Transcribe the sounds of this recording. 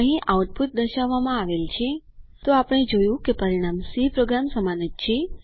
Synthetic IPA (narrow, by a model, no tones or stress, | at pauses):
ə̃ɦĩʔauʈ̚put̪̚d̪əʃaʋːamãaʋelt͡ʃʰe | t̪oapɽ̃ed͡ʒojũkepəɾiɽ̃amsipɾoɡɾamsəmanət̪̚t͡ʃʰe